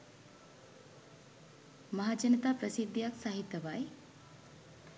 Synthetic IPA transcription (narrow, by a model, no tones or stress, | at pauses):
mɐɦaːd͡ʒɐnət̪aːpɾəsid̪ʱːijaksaɦit̪ːɐʋaj